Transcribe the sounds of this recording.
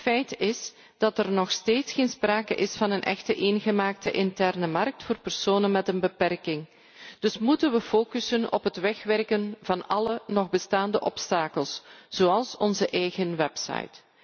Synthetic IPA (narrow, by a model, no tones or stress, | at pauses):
tfɛjtɪs | d̥ɑtərnɔxsteːtsxeːnspraːkə̰ʔɪsfɑnənʔɛ̰xtəʔeːnɣəmaːk̚təʔɪntɛrnəmɑrk̚tfoːrpərsoːnənmɛtənbəpɛrkɪŋ | d̥ɵsmutənʋəfoːkysənɔ̰pɦətʋɛxʋɛrkənvɑnɑlənɔɣbəstaːndəʔɔpstaːkəlˠsz̥oːɑlˠsɔnzəʔɛjɣənʋɛpsɑ̰jt